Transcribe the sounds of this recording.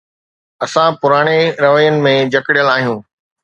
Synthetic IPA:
ɐsãpʊɾaːɽ̃eɾɐʋəjənɪ̆mẽd͡ʑɐkɪɽijəlaːɦijũː

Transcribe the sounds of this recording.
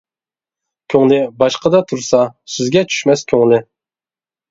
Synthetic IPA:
kʲʰøŋlɪbɑʃqəd̪ɑt̪ʰuɾsɑsɪzɡʲɛt͡ʃʰy̥ʃmɛskʲʰøŋlɪ

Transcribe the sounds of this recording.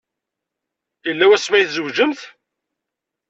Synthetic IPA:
jəlːæwæsmæjθzəwʒəmθ

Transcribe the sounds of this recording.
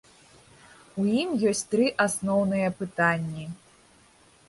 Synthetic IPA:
ujimjɔsʲt͡sʲt̪ɾɨʔasnɔwnɨjɐpɨt̪anʲːi

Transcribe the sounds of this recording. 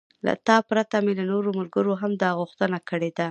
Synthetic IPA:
la̰t̪ɑpɾat̪amelanoɾomalɡəɾoɦamd̪ɑɣʊxt̪ənakəɽed̪a

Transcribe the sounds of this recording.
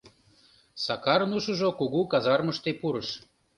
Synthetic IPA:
sɑkɑɾnuʃə̆ʒokuɣukɑzɑrməʃt̪epuɾɤ̆ʃ

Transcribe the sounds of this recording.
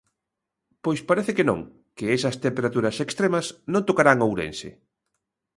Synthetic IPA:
pojspaɾeθekenõ̰ŋ | keesɐst̪empeɾat̪uɾɐsekst̪ɾemɐsnõnt̪okaɾaŋowɾḛnsɪ̰

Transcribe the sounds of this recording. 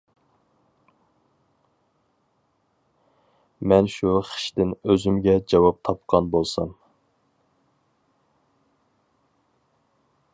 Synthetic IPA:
mɛnʃuχə̥ʃt̪ɪnøzymɡʲɛd͡ʒɑwɑp̚t̪ʰɑp̚qʰɑnbolˠsɑm

